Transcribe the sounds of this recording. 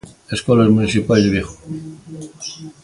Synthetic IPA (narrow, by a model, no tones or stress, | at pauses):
eskɔlazmunisipajzdðeβjexo̥